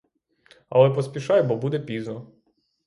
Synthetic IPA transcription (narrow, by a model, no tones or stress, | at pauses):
ɐ̰lˠɛpɔspʲiʃɑjbɔbud̪ɛpʲiznɔ